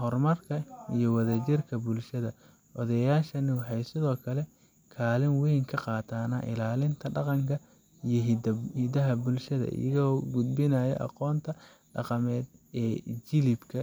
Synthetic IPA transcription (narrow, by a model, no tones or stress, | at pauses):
hɔrmɐrkʰɐijɔwɐðɐt͡ʃɪrkʰɐbʊlʃɐðɐ | ʔɔðɐjaːʃɐnɪwɑħɑjsɪðɔːkʰɐlɛ | kʰaːlɪnwijŋkʰɐqɑːt̪ʰaːnɐʔɪ̰laːlɪnt̪ʰɐɖɑqɑŋkʰɐ | ijɔhɪd̪ɐɦɐbʊlʃɐðɐ̰ʔɪ̰jɐɣɔːɡʊd̪bɪnajɛ̰ʔɑ̰qɔːnt̪ʰɐ | ɖɑ̰qɑmɛːd̪ɛːt͡ʃɪlɪbkʰɐ